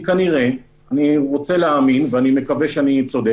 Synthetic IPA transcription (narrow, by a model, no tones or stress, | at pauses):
kaniʁe | aniʁo̞t͡se̞leaminveanime̞kaveʃeanit͡so̞d̪